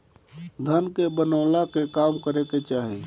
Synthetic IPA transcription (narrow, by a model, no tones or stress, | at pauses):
d̪ʱənkebənəːlakekaːmkəɾeket͡ʃaːɦi